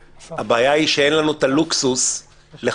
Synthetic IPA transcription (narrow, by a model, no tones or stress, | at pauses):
habaːjaiʃee̞nlanut̪aluksus | le